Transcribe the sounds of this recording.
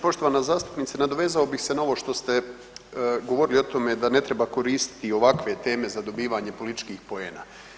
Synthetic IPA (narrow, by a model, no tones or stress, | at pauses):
po̞ʃt̪o̞ʋanazaːst̪u̥pniːt̪senad̪o̞ʋe̞ːzaobixsenaoʋo̞ʃt̪o̞st̪e | ɡoʋo̞ɾilio̞t̪o̞me̞d̪ane̞t̪ɾe̞bako̞ɾiːst̪i̥t̪io̞ʋakʋe̞t̪e̞ːme̞zad̪o̞biːʋaɲe̞po̞lit̪i̥t͡ʃkiːxpo̞ḛːna̰ː